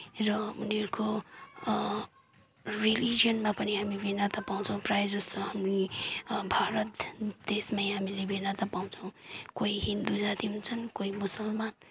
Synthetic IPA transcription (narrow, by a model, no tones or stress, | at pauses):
rʌuneɾuko | rilid͡zijʌnmapʌniɦamibenat̪ʌpaw̃t͡sʰʌ̃w̃prajed͡zʌst̪oɦamnibʱaɾʌt̪d̪̥esmajɦamilebʱenat̪ʌpaw̃t͡sʰʌw̃koiɦind̪ud͡zat̪iɦunt͡sʰʌnkoimusʌlman